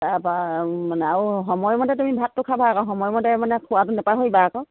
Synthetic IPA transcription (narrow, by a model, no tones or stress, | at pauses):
abamanɛaɹuɦɔmɔjmɔdɛtumibʱatːʊkʰabaakɔɦɔmɔjmɔdɛmanɛkʰuwatʊnɛpaɦojbaakɔ